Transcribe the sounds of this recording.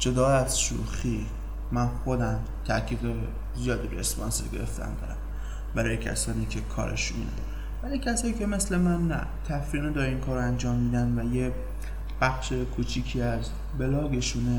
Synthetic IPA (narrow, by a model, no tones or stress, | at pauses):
d͡ʒo̞d̪ɒːæz̥ʃṵxiː | mænxo̞d̪æm | t̪ʰækʰiːd̪e | zijɒːd̪ibeesbɒ̰ːnseɾɡe̞̰ɾḛft̪ʰæ̰nd̪ɒ̰ːɾæ̰m | bæɾɒːjecʰæ̰sɒːniːcʰe̞kʰɒ̰ːɾḛʃumḭːnæ̰n | bælicʰæsɒːjiːcʰe̞me̞sle̞mænːæ̰ | t̪ʰæfɾined̪ɒːɾiːnkʰɒːɾoænd͡ʒɒːmːiːd̪ænvæje | b̥æxʃe̞kʰut͡ʃʰiːcʰiːæz | be̞lɒːɡe̞ʃuːne